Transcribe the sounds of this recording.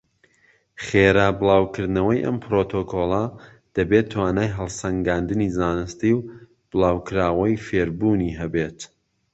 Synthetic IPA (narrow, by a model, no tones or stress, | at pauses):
χeːɾaːbɨlˠaːwkɨɾd̪nɐwɐjʔɐ̰mpʰɾoːt̪ʰoːkʰoːlˠɐ | d̪̥ɐbet̪ʰːwaːnaːjɦɐlˠsɐŋɡaːnd̪ɨnizaːnɨst̪iw | b̥ɨlˠaːwkɨɾaːwɐjfeːɾbuːniɦɐbet̪